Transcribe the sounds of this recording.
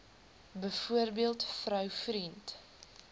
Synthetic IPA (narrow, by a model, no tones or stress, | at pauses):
bəfuərbiəlˠtfɾœwfrint